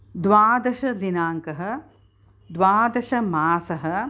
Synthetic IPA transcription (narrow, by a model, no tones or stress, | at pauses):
d̪ʋaːd̪ɐʃɐd̪inaːŋkɐɦɐ̆ | d̪ʋaːd̪ɐʃɐmaːsɐɦɐ̆